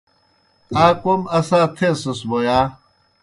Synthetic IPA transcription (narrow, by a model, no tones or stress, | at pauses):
aːkomɐsãːt̪ʰẽsɐsbojaː